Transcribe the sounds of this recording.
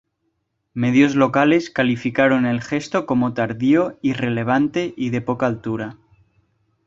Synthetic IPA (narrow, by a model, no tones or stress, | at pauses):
me̞ðjo̞zlo̞kale̞skalifikaɾo̞ne̞lxe̞st̪o̞ko̞mo̞t̪aɾðio̞ire̞le̞β̞ant̪e̞ʔiðe̞po̞kaːlt̪uɾa